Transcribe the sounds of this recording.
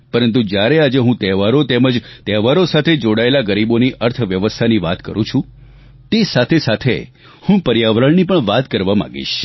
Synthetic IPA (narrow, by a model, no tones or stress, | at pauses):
pəɾənt̪̬ud͡ʒjaɾead͡ʒeɦũt̪ɛʋaɾot̪eməd͡ʒt̪ɛʋaɾosat̪ʰed͡ʒoɽaelaɡəɾiboniʔəɾt̪ʰʋjəʋəst̪ʰaniʋat̪kə̰ɾũt͡ʃʰũ | t̪esat̪ʰesat̪ʰe | hũpəɾjaʋɾəɳnipəɳʋat̪kəɾʋamã̰ɡḭʃ